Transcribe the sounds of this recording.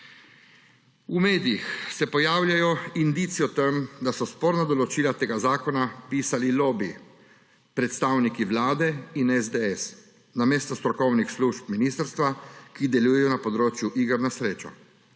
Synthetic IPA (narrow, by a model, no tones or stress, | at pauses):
umeːd̪ijixsɛpɔjaːwlʲjajɔind̪iːt̪sijɔt̪ɛmd̪asɔspɔːɾnad̪ɔlɔt͡ʃiːlat̪eːɡazaːkɔnapiːsalilɔbi | pɾɛt̪st̪aːwnikiʋlaːd̪ɛinɛzd̪ɛɛs | nameːst̪ɔst̪ɾɔkɔwnixsluʃpminiːst̪əɾst̪ʋakid̪ɛlujɛjɔnapɔd̪ɾoːt͡ʃjuʔiːɡəɾnasɾeːt͡ʃɔ̰